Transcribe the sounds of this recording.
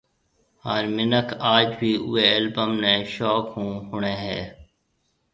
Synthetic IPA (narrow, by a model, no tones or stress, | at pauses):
aːɾmɪnəkʰaːd͡ʒbʱiːʔʊ̰eːəlbəmnẽːʃɔːkɦũːɦʊɳ̃ẽːɦɛ̰ː